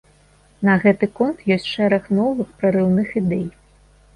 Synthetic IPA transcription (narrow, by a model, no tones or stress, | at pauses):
nɐɣɛt̪ɨkɔnt̪jɔsʲtʲʂɛɾɐxnɔvɨxpɾɐɾɨwnɨxid̪ɛj